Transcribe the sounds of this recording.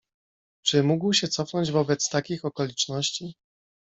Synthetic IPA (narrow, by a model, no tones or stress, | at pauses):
t͡ʂɘmuɡwɕɛt̪sɔfnɔɲd͡ʑvɔbɛt̪st̪akʲixɔkɔlʲit͡ʂnɔɕt͡ɕi